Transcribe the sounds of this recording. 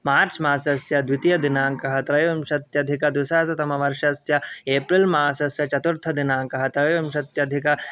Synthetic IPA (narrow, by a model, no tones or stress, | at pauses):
maːɾt͡ʃmaːsɐsjɐd̪ʋit̪ijɐd̪inaːŋkɐɦɐt̪ɾɐjomʃɐt̪jɐd̪ʱikɐd̪usaːt̪ɐt̪ɐmɐʋɐɾʂɐsjɐeːpɾilmaːsɐsjɐt͡ʃɐt̪uɾt̪ʰɐd̪inaːŋkɐɦɐt̪ɾɐjomʃɐt̪jɐd̪ʱikɐ